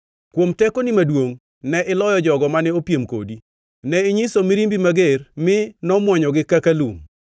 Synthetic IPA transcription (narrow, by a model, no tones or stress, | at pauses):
kwomtɛkonimadwoŋ | nɛʔɪlɔjɔd͡ʒɔɡɔmanɛopjemko̰di | nɛɪɲisomiɾimbimaɡermɪnɔmwɔɲɔɡɪkakalum